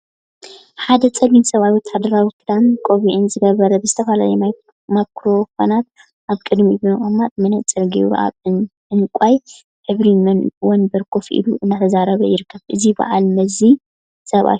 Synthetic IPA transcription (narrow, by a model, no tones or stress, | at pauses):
ħad̪ɐt͡sʼɐlinsɐβajwɔt̪ʰːad̪ɐɾawikʰɨd̪amkʼoβiʕɨnzɨɡɐβɐɾɐbɨzɨt̪ʰɐfɐlajɛ | makʰɾo̞konat̪ | ʔaβkʼɨd̪mibɨnɨxʼɨmat̪̚mɐnɐt͡sʼɐlɡiɾ̰ʔa̰βɨ | ɨnkʷʼaj | ħɨβɾimɐnwonbɐɾkʰo̞fʔḭluʔɨnːat̪ʰɐzaɾɐβɐjɪɾɨkːɐβʔɨziba̰ʕa̰lmɐzi | sɐβa̰